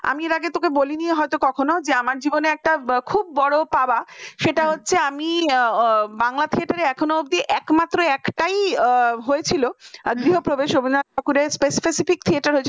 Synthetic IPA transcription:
a̰mieɾaɡet̪okeboliniɦɔet̪okɔkʰonod͡ʑeamaɾd͡ʑiboneɛk̚ʈakʰubːɔɽopabaʃeʈaɦotːɕʰeami | baŋlat̪ʰieʈaɾeɛkʰonoob̚d̪ieʔɛkmat̪ːɾoɛkʈajɦoet͡ɕʰiloɡɾiɦopɾobeʃobʱinat̪̚ʰokuɾespesi̥pesifik̚t̪ʰieʈaɾɦoet͡ɕʰi

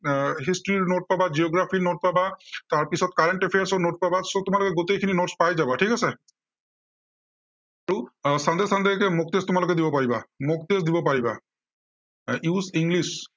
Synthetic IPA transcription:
ɦistɹiɹnot̚pabad͡ʒiɔɡɹapʰinot̚pabataɹpisɔtkaɹɛnʈepʰejaɹsɔnot̚pabasotʊmalokɛɡotejkʰininotspajzabɔtʰikasɛ | aɹusand̪ɛsand̪ɛkɛmok̚testʊmalokɛdibɔpaɹiba̰mok̚tesdibɔpaɹiba̰ | isiŋɡlis

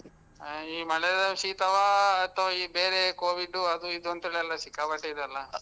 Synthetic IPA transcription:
iːmɐɭɛd̪ɐʃiːt̪ɐʋaːt̪ːɐʋibeːɾekoːʋiɖːuɐd̪uid̪ont̪eɭeɛlːɐsikːaːpɐʈːeid̪ɐlːɐ

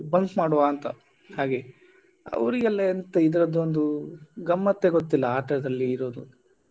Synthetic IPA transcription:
bɐŋkmaːɽuʋaːnt̪ɐ | haːɡe̞ | ɐ̰ʋɾiɡɐlːeːnt̪ɐid̪ɐɾɐd̪ond̪uɡɐmːɐt̪ːeɡot̪ːilːɐaːʈɐd̪ɐlːiːɾo̞ːd̪u

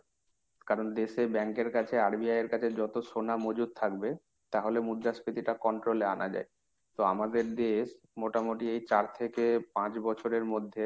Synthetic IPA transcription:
kaɾond̪eʃebɛŋkeɾkat͡ɕʰeaɾbiajeɾkat͡ɕʰed͡ʑɔt̪oʃonamod͡ʑud̪̚t̪ʰak̚be | t̪aɦolemud̪ːaspit̪iʈakɔɳʈɾolea̰nad͡ʑa̰e | t̪oamad̪eɾd̪eʃ | moʈamoʈiejt͡ɕaɾt̪ʰekepãt͡ɕbɔt͡ɕʰoɾeɾmod̪ʱːe

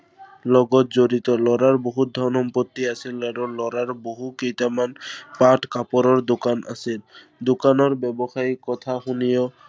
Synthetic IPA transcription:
lɔɡɔt̪̚d͡ʑoɾit̪ɔlɔɾaɾboɦud̪ʱɔnɔmpot̪ːiasʰilɛɾɔlɔɾaɾboɦukejt̪amanpaʈkapɔɾɔɾd̪okana̰sil | d̪okanɔɾbɛbɔxaikɔt̪ʰaxunijɔ

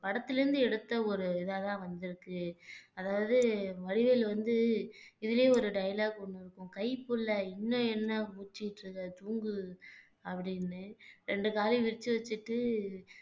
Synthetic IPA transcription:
pɐɽɐt̪ːɪlɪɾɯnd̪ɯɛɽɯt̪ːɐɔɾɯɪðaːt̪ãːʋɐnd̪ɪɾɯkːɯɐðaːʋɐðɯʋɐɽɪʋɐlʋɐnd̪ɯɪðɪleːɔɾɯɖɐjlaːɡɔɳːɯɾɯkːʊ̃kɐɪpːɯlːɐɪnːõɛnːɐpuːt͡ʃːɪɪʈɾɐðɐt̪uːŋɡɯ | ɐpːɐɽɪnːɯɾɛɳɖɯkaːliʋɪɾɪt͡ʃːɯʋɐt͡ʃːɯʈːɯ

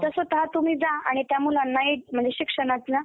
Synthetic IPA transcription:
t̪əsot̪ɦat̪um̤iːd͡zaa̰ɽ̃it̪jamuːlanːaiʈ̚m̤əɳd͡zeɕikʂəɳat͡sna

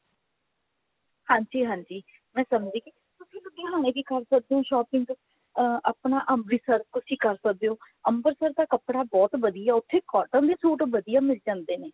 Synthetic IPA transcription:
hãːɲd͡ʒiːɦãːɲd͡ʒiː | mɛ̃ːsəmd͡ʒiːki | t̪ʊsĩːləɡeːɦaːñẽːb̪iːkəɾsək̚d̪eːõːʃɔːpɪ̃ŋɡ | aːpɳaːʔəmɾiːsəɾkʊsiːkəɾsək̚d̪eːõː | əmbəɾsəɾd̪aːkəpɽaːbɔːt̪ʋəd̪ijaːʊt̪ʰːeːkɔːʈə̃nd̪eːsoːʈʋəd̪ijaːmɪld͡ʒãːnd̪eːneː

